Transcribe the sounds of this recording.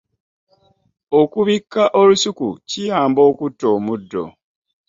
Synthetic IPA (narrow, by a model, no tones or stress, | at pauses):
okuβikːaʔolusukṵcijaːmbo̞ːkutːo̞ːmudːo̞̰